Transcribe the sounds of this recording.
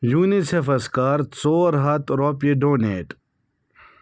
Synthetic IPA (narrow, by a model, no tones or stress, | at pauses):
juːnisefɐskaːɾt͡soːɾɦɐt̪ɾoːpeɖoːneːʈ